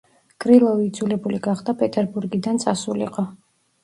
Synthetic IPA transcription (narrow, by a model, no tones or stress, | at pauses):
kʼɾilˠɔviːd̪zulɛbuliɡaχd̪apʼɛt̪ʼɛɾbuɾɡid̪ant̪sʼasulḭqʼɔ